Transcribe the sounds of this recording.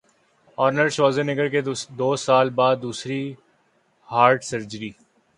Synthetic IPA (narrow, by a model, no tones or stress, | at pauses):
ɔːɾnəɾʃoːzenɪɡəɾked̪oːsaːlbaːd̪̚ːuːsɾi | haːɾɖsɐɾd͡ʒɾiː